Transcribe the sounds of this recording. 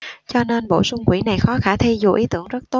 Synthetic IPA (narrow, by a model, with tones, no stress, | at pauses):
t͡ɕɔ˧ne˧nɓo̰˧˩sʊ˧ŋ͡mkwḭ˧˩na˨˩jxɔ˨˦xaː˧˩t̪ʰi˧zu˨˩ʔi˨˦t̪ɨ˧˩əŋzə˦˥t̚t̪o˦˥